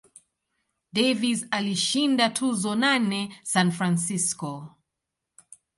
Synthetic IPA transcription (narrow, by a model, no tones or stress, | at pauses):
dɛvizaliʃindatʰuzɔnanɛsanfɾansiskɔ